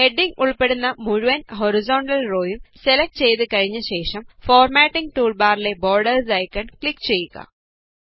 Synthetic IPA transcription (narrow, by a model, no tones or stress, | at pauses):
heɖiŋɡuɭpe̞ɽunːɐmuɻuʋɐnɦoɾizoːɳɖɐlro̞ːjumselɐk̚ʈːt͡ɕe̞jt̪ɨkɐɻiɲːɐɕe̞ːʂɐmfoːrmaːʈːiŋɡʈuːɭbaːɾile̞bo̞ːɾɖɐrsɐjkːɐɳkɭikːt͡ɕe̞jːuɣɐ̰